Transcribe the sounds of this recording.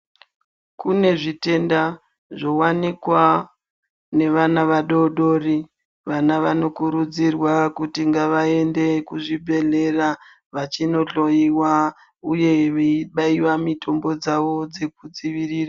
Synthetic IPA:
kune̞ʐite̞nda | ʐo̞wanikwa | ne̞ʋanaʋaɗo̞ɗo̞ri | ʋanaʋano̞kuɾud͡zirwakutiŋɡaʋae̞nde̞kuʐibʱe̞ɮe̞ra | ʋat͡ʃino̞ɬo̞jiwa | uje̞ʋeiɓaiwamitʰo̞mbo̞d͡zaʋo̞d͡ze̞kud͡ziʋiriːra

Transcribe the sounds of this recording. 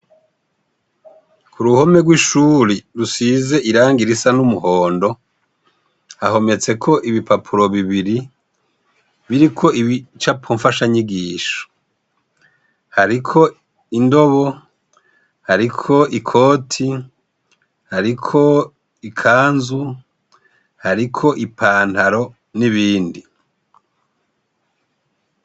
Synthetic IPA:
kuɾuho̞me̞ɡwiʃuːɾiɾusize̞ʔiɾaːŋɡiɾisanumuho̞ːndo̞ | haho̞me̞t͡se̞kʰo̞ʔiβipapʰuɾo̞βiβiɾi | βiɾikʰo̞iβit͡ʃapʰoɱfaʃaɲiɡiːʃo̥ | haɾikʰo̞ | indo̞βo | haɾikʰo̞ikʰo̞ːtʰi | haɾikʰo̞ | ikʰaːnzu | haɾikʰo̞ʔipʰaːnthaɾo̞ | niβiːndi

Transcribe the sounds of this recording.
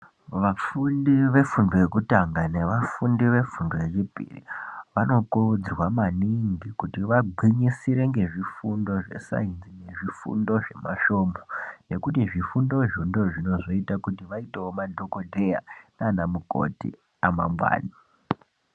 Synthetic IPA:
ʋafundiʋe̞fundo̞je̞kutaŋɡane̞ʋafundiʋe̞fundo̞je̞t͡ʃipḭrḭʋano̞kuud͡zirwamaniŋɡikutiʋaɡ͡ǃʱiɲisiɾe̞ŋɡe̞ʐifundo̞ʐe̞̰sa̰inzine̞ʐifṵndo̞ʐe̞maʃo̞ːmone̞kutiʐifundo̞ʐindo̞ʐino̞ʐo̞itakutiʋaiteomadʱo̞ko̞dʱeja̰nanamuko̞̰tḭ | ama̰mwa̰ːni

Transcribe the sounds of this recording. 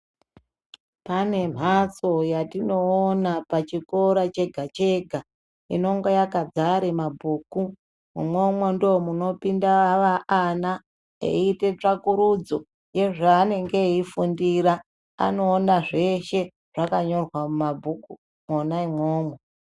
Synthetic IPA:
pane̞m̤ʱat͡sojatino̞ːnapat͡ʃiko̞ɾat͡ʃe̞ɡʱat͡ʃe̞ɡʱa | ḭno̞ŋɡojakad͡zaɾemabʱuːku | mumomwendoːmuno̞pindaʋaana | ḛite̞t͡ʂakuɾud͡zo̞ | je̞ʐaːne̞ŋɡe̞ifundiɾa | a̰no̞ːnaʐe̞ʃe̞ | ʐ̥akaɲo̞rwamumabʱuku | monaimoːmwe

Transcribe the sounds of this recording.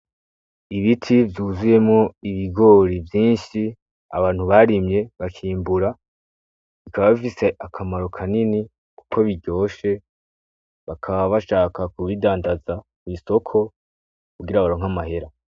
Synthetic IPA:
iβitʰivjuːzuje̞mŋo̞iβiɡo̞ɾivjiːnʃi | a̰βaːn̥huβaɾimɲe̞βakʰiːmbuɾa | βikaβaβifise̞ʔakʰamaɾo̞kʰanini | ku̥kʰo̞βiɟo̞ːʃe̞ | βakʰaβaβaʃaːkakuβidaːndazakwiːso̞kʰo̞ | kuɡiɾaβaɾoːŋɦamaɦe̞ɾa

